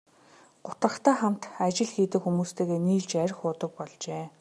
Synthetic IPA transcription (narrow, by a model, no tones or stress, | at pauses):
ɢ̥ʊt̪rə̆χt̪æːχam̥t̪at͡ɕɪ̆ɮxiːt̪ɘ̆kxumuːst̪ʰeːɣeːniːɮt͡ɕæɾʲxʊːt̪ə̆k̚pɔɮt͡ɕeː